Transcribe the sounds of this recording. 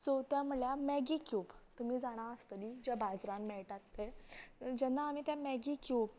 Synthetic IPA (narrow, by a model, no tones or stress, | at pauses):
sot̪jãm̤uɭjamɛɡikjuːbt̪um̤iːd͡zaɽ̃aəst̪əd̪id͡ʑabʱad͡zɾãnmɛɭʈat̪ːed͡ʑɛnːaːmit̪jãmɛɡikjuːb